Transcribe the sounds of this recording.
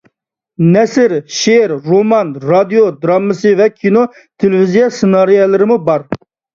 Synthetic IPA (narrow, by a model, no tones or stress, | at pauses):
nɛsɪɾʃeɾɾomɑnɾɑd̪ijod̪ɾɑmːɨsɨvɛkʲʰino | t̪ʰelɪvizijɑsɪnɑɾijɛlˠɨɾɪmubɑɾ